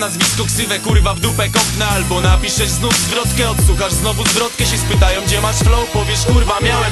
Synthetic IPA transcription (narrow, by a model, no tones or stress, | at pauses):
nazvʲiskɔksɨvɛkuɾvavd̪upɛkɔpnɛalbɔnapʲiʂɛznuvzvɾɔt̪kɛɔt̪suxaʐznɔvuzvɾɔt̪kɛɕɛspɘt̪ajɔ̃w̃ɡd͡ʑɛmaʂflɔwpɔvʲjɛʂkuɾvamʲjaw